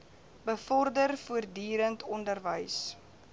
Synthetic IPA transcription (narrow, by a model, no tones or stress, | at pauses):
bəfɔrdərfuərdyːɾəntʰɔndərvəjs